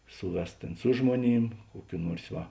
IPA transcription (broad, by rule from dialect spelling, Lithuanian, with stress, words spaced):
ˈsʊˌʋʲɛs ˈtʲeːn sʊ ˈʒmuɔˌnʲiːm ˈkuɔˌkʲuː ˈnuɔrs ˈʋɐ